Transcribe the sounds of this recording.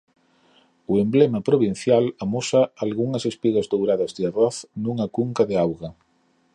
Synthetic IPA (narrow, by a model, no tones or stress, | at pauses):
uemblemapɾoβin̟θjalamosaalɣuŋɐsespiɣazdowɾaðɐzðearɔθnuŋakuŋkaðeawɣa